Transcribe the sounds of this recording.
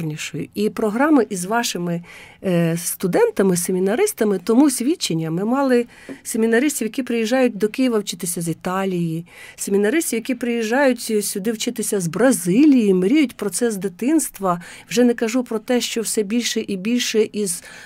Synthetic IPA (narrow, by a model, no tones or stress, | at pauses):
nʲiʃɔjʊ̰ipɾɔɦɾɑmɪʔizʋɑʃɪmɪ | st̪ʊd̪ɛnt̪ɐmɪsemʲinɐɾɪst̪ɐmɪt̪ɔmusʲʋʲit͡ʃːenʲːɐmɪmɑlˠɪ | sʲemʲinɐɾɪsʲtʲiʋjɐkʲipɾɪjiʒːɑjʊt̚ʲd̪ɔkɪjiʋɐwt͡ʃɪt̪ɪsʲɐzʲit̪ɑlʲijisʲemʲinɐɾɪsʲtʲiʋjɐkʲipɾɪjiʒːɑjʊtʲsʲʊd̪ɪwt͡ʃɪt̪ɪsʲɐzbɾɐzɪlʲijimɾʲijʊtʲpɾɔt̪sɛsd̪ɪt̪ɪnst̪ʋɐwʒɛnɛkɐʒupɾɔt̪ɛʃt͡ʃɔwsɛbʲilʲʃɛʔibʲilʲʃɛʔiz̥